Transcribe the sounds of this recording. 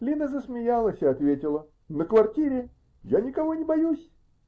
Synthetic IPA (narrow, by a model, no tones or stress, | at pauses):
lʲinəzəsmʲɪjalˠəsʲɪɐt̪vʲetʲɪlˠə | nəkvɐrtʲiɾʲɪ | janʲɪkɐvonʲɪbɐjusʲ